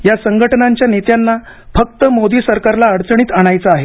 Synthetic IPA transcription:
jasəŋɡʱəʈənaɲt͡ɕjanet̪janːa | fək̚t̪əmod̪iːsəɾkaɾlaəɽt͡səɳ̃iːt̪aɽ̃ajt͡saaɦe

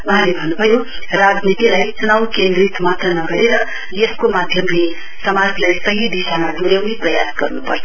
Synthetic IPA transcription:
wuɦãlebʱʌnːubʱʌjorad͡znit̪ilajt͡sunawkend̪rit̪ʰmat̪rʌnʌɡʌɾeɾʌ | jeskomad̪ʱjʌmle | sʌmad͡zlajsʌɦid̪isamad̪uɾjʌwniprʌjasɡʌrnupʌ̰rt͡sʰʌ

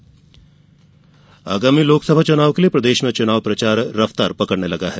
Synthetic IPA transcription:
a̰ːɡaːmiloːksɐbʱat͡ʃʊnaːʋkeliepɾɐd̪eːʃmẽt͡ʃʊnaːʋpɾɐt͡ʃaːɾːɐft̪aːɾpɐkəɽnelɐɡaɦɛː

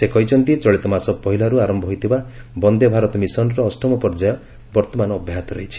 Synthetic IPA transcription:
sekɔjt͡ʃʰɔnt̪it͡ʃɔɭit̪ɔmasɔpɔɦilaɾuaɾɔmbʱɔɦojt̪ʰibabɔnd̪ebʱaɾɔt̪ɔmisɔnɾɔːsʈɔmɔpɔɾd͡ʒajɔ | bɔɾt̪ɔmanɔːbʱjaɦat̪ɔɾɔɦit͡ʃʰi̥

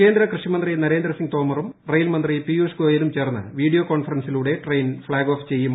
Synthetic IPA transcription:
ke̞ːnd̪ɾɐkrɨʂjɐmɐnd̪rinɐɾe̞ːnd̪ɾɐsiŋɡt̪o̞ːmɐrumrejlmɐnd̪ripijuskoːjɐlumt͡ɕe̞ːrnːɨ̰ʋiːɽijoko̞ːnfɐrɐnsiluːɽe̞ʈrejnfɭaːɡo̞ːft͡ɕe̞jːum

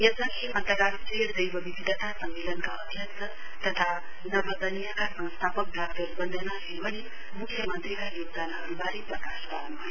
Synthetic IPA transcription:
jʌsʌŋɡeʔʌnt̪əɡaɾsed̪əjbʌbibit̪ʌt̪ʰasʌmmelʌnkaʌd̪ʱjʌktʰʌ | t̪ʌt̪ʰa | nʌbʌd̪ʌnijakasʌ̃wst̪ʰapʌk̚d̪ʱak̚t̪ot̪bʌnd̪ʱənasebʌni | mukʰːjʌmʌnt̪rikajoɡ̚d̪anɦʌɾubaɾiprʌkasbanm

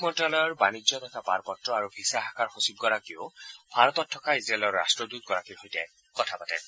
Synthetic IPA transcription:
mɔntalɔjɔɹbanid͡ʒɔd̪ɛtʰapa̰ɹpɔtɹɔaɹubʱisaɦakaɹxosib̚ɡɔɹakiobʱaɹɔt̪ɔtʰːɔkaizɹeelɔɹːa̰stɹɔd̪ut̪̚ɡɔɹakiɹhojtɛ | kɔtʰapatɛ̰

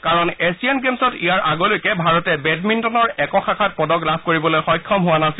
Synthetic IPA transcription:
kaɹɔnesiɛnɡemsɔtijaɹʔaɡɔlojkɛbʱaɹɔtɛbɛdmintɔnɔɹɛkɔxʰakʰat̚pɔdɔɡlab̚ʰkoɹibɔlojxɔjkʰːɔmɦʊwanasil

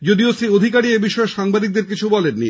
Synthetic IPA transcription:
d͡ʑod̪iosɾiod̪ʱikaɾiebiʃɔeʃaŋbad̪ik̚d̪eɾkit͡ɕʰubɔlenːi

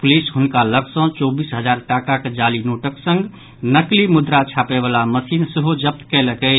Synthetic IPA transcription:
pʊlisɦʊnkaləksə̃t͡ʃɔːbisɦəd͡ʒaːɾʈaːkaked͡ʒalinoːʈəksə̃ŋɡ | nəklimʊd̪ɾat͡ʃʰaːpebaːlaməsiːnsəɦod͡ʒəp̚t̪kɛləkɛ

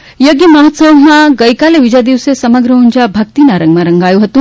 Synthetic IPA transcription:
jəɡjəməɦɔt̪səwmãɡəjkaleʋid͡ʑad̪iʋsesɐməɡɾəuɲd͡ʑabʱɐk̚t̪inaɾəŋɡmaɾəŋɡajuɦot̪ũ

